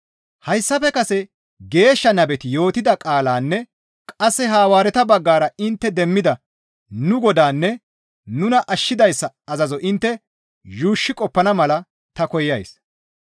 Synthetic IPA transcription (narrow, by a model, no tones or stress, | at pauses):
hɐjsːɐpɛkɐsɛ | ɡe̞ːʃːɐnɐbɛt̪ɪjo̞ːt̪ɪd̪ɐkʼaːlaːnːɛ | kʼɐsːɛɦaːwaːɾɛt̪ɐbɐɡːaːɾɐɪnt̪ːɛd̪ɛmːɪd̪ɐ | nʊɡɔd̪aːnːɛ | nʊnɐʔɐʃːɪd̪ɐjsːɐːzɐzɔʔɪnt̪ːɛ | juːʃːɪkʼɔpːɐnɐmɐlɐ | t̪ɐkɔjːɐjs